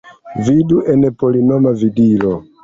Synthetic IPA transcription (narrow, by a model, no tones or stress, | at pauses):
viduʔenepolinomavidilo